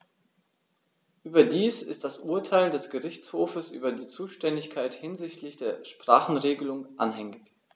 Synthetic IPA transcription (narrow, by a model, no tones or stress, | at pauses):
ʔyːbɐdiːsɪ̰std̥asʔuːɐtʰaɪldɛsɡ̥əʁɪçt͡shoːfəsʔy̰ːbɐdiːt͡suːʃtɛndɪçkʰaɪthɪnzɪçtlɪçd̥eːɐʃpʁ̥aːχn̩ʁeːɡəlʊŋʔanɦɛŋɪç